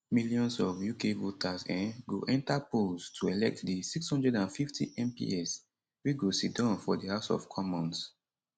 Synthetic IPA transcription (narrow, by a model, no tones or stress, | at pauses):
miliɔ̃nsɔvjukevotʰasɛ̃nɡoʔɛ̃ntapolstʰuɛlɛk̚tdisikshɔ̃ndɹɛdãnfiftʰḭʔɛ̃mpḭɛs | wiɡositdãʊnfɔdihaʊsɔ̰vkʰɔmɔ̃ns